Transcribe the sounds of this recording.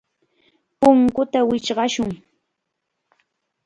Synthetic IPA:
pʊŋkʊt̪awɪt͡ʃɢɑʃʊŋ

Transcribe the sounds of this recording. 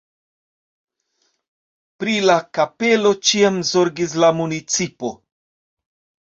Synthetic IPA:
pɾilakapelo̞t͡ʃiamzo̞ɾɡis̬lamunit͡sipo̞

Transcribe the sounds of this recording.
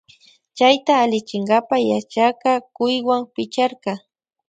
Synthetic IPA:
t͡ʃajt̪aːlɪt͡ʃɪŋɡapajat͡ʃakɑkʊjwaŋpɪt͡ʃaɾqɑ

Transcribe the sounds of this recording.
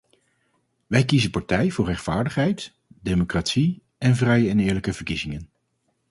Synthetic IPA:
ʋɛjkizənpaɹtɛjvʊːɹrɛχtfaːɹdəχɦɛjt | dejmokratsi | ɛnvrɛjəɛnɪːɹləkəvəɹkizɪŋən

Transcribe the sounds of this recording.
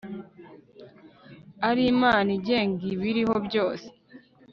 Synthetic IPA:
aɾiːmaːniɟe̞ːŋɡiβiɾiho̞bjo̞ːse̥

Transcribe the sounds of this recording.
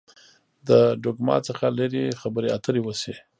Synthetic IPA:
d̪əɖoɡmɑ̰t͡səxalaɾixabəɾeat̪ʰəɾewəsi

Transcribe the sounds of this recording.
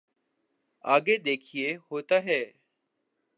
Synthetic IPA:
aːɡeːd̪eːkʰijeːhoːt̪aːɦɛː

